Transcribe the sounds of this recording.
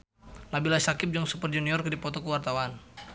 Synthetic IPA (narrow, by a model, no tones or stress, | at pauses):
nabilasakɪp̚d͡ʒɔŋsupərd͡ʒuniɔrkədipɔt̪ɔkəwart̪awan